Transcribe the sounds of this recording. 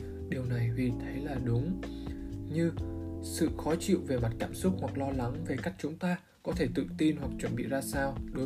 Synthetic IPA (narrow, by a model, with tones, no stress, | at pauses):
ɗi˨˩əwna˨˩jvi˨˩t̪ʰə˨˦jlaː˨˩ɗʊ˨˦ŋ͡m | ɲɨ˧sɨ̰˧˨xɔ˨˦t͡ɕḭ˧˨wve˨˩ma˨˩t̚kaː˧˩msʊ˦˥k͡p̚hwa˨˩k̚lɔ˧la˨˦ŋve˨˩ka˦˥jk̟̚t͡ɕʊ˨˦ŋ͡mt̪aː˧ | kɔ˨˦t̪ʰe˧˩t̪ɨ̰˧˨t̪i˧nwa˨˩k̚t͡ɕwə˧˩nɓḭ˧˨zaː˧saː˧wɗo˨˦